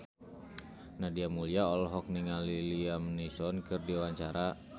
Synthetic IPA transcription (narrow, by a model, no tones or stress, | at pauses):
nahdiamuliaɔlɔɦɔk̚niŋaliliamnisɔnkɨrdiwaɲt͡ʃaɾa